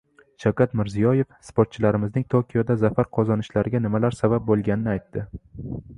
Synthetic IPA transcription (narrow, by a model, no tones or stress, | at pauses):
ʃawkʲʰat̪mɪɾzijɒje̞fspoɾt̪̚t͡ʃʰɪlaɾɪmɪznɪŋt̪ʰokʲʰijod̪azafaɾqʰɒzɒnɪʃlaɾɪɡʲanɪmalaɾsabap̚bolˠɡʲanɪnɪajt̪ːɪ